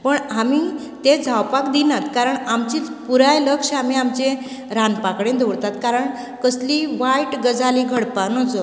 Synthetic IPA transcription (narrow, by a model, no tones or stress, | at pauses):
pəɳami | t̪ed͡zʱawpakd̪inat̪kaɾəɳamt͡ɕiːpuɾajləkʂamiamt͡ɕẽ | ɾanpakɽẽd̪ʱoɽt̪at̪kaɾəɳ | kəsliʋaiʈɡəd͡zaliɡʱəɽpanɔt͡sɔ